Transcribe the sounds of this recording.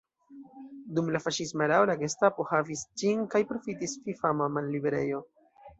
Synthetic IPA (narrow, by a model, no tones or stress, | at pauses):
dumlafaʃismaɾaolaɡestapo̞havisd͡ʒinkajpɾo̞fitisfifamamanːibe̞ɾe̞̰jo̞